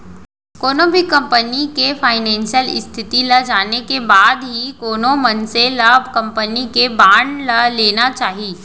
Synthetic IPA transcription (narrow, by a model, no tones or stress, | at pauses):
koːnõbʱikːɐ̃mpənikefʰaːɪnɛ̃ːnʃijəlɪ̰st̪ʰɪt̪ilɐd͡ʒaːnekebaːd̪ɦikoːnõmɐnselaːbʱkɐ̃mpənikebaːɳɖləleːnat͡ʃaːɦiː